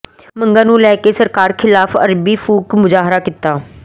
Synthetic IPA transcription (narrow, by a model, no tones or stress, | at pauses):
mə̃ŋɡaːnũːlɛːkesəɾkaːɾkʰɪlaːfə̰ɾbiːfuːkmʊzaːɦɾaːkɪt̪ːaː